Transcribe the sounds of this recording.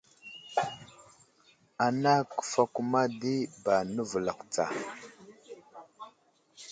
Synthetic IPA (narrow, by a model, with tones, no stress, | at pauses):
a˨na˦kə̥˨fa˨ku˦ma˦di˦ba˨nə˦və˨la˨kt͡sa̰˨